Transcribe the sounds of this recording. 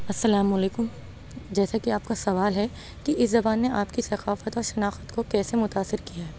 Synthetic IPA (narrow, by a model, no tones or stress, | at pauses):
ɐsːɐlaːmʊɐleːkʊm | d͡ʒɛːsakiaːp̚kasɐʋaːlɦɛ | kiʔɪszɐbaːnːeʔaːpkisɐqaːfət̪ɔːɾʃɐnaːxət̪kokɛːsemʊt̪aːsːɪɾkijaɦɛː